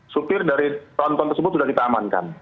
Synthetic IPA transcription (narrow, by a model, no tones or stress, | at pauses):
supɪrdaɾit̪ɔnt̪ɔnərsəbʊt̪sudahkit̪aːmanka̰n